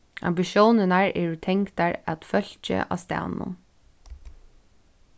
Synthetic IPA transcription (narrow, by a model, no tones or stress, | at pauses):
a̰mbɪʃjoːnənaɹɛɹt̪ʰɛŋkt̪aɹæt̪fœl̥t͡ʃə̰ʔa̰ːst̪æ̰ːnʊ̰n